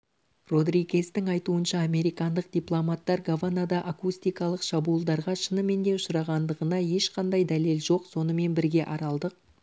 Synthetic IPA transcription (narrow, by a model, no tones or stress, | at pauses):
ro̞d̪ɾiɡʲe̞st̪ɪŋɑjt̪uənʃɑːme̞ɾijkɑnd̪əq̚d̪ijplˠomat̪ːɑɾɡavanad̪ɑʔakust̪ijkɑlˠəqʃɑbuəlˠd̪ɑɾʁɑʃənəme̞nd̪e̞ʊʃʊɾɑʁɑnd̪əʁənɑje̞ʃqʰɑnd̪ɑjd̪æle̞lʒo̞qso̞nəme̞nbɪɾɡʲe̞ʔɑɾɑlˠd̪əq̚